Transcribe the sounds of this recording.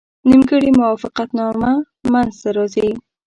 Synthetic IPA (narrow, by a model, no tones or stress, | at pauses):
nimɡəɽimʊwɑfɪqat̪nɑma | manzt̪aɾɑzi